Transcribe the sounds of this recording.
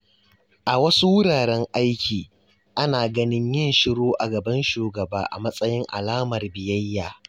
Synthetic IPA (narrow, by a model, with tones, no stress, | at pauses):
ʔa˨wɐ˦su˦wʊ˦ɽaː˨ɾɛ˦ŋʔa˦jkʲʰiː˨ | ʔa˦naː˨ɡɐ˦nɪ˦ɲjɐ˦˨nʃɪ˦ɽoː˦ʔa˨ɡɐ˨bɐ˦nʃuː˨ɡɐ˨baː˦ʔa̰˨mɐ˦sʼɐ˦jɪ˦ŋʔa̰˨laː˦mɐ˨rbɪ˨jɐ˦jːaː˨